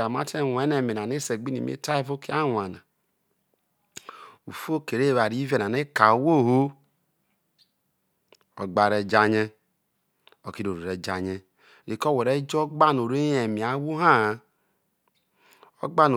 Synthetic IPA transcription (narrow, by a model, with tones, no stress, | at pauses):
a˨ma˦tɛ˦˨wʷɛ˨˦nɛ˨me˨na˨ne˦se˨ɡ͡bi˦nḭ˨mḛ˦ta˦e˦vo˦ki˦a˦wʷa˨na˨ | u˨fo˦ke˨ɾe˦˨βa˨ɾi˦ve˦˨na˨ne˦ka˨˦wo˦˨ho˦ | ɔ̰˨ɡ͡ba˨ɾɛ˨d͡ʒa˦ɲɛ˦ | ɔ˨ki˦ɾo˨ɾo˨ɾɛ˨d͡ʒa˨ɲɛ˦ | ɾi˨kɔ˦˨wɛ˨ɾɛ˦d͡ʒɔ˦ɡ͡ba˦no˨ɾe˦jɛ˨mi˨a˨˦wu˦ɦa˦˨ | ɔ˦ɡ͡ba˦no˨